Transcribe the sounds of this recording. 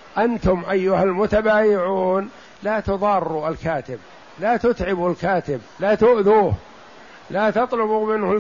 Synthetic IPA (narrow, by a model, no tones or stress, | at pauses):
ʔant̪ʊmʔajːʊhalmʊt̪abaːjɪʕuːn | laːt̪ʊðˤɑːrːualkaːt̪ɪb | laːt̪ʊt̪ʕɪbulkaːt̪ɪblaːt̪ʊʔðuːh | laːt̪ɑt̪ˤlʊbumɪnhʊ